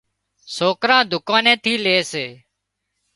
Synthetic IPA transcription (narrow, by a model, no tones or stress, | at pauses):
soːkɾãːd̪ʱʊkãːnẽːt̪ʰiːleːseː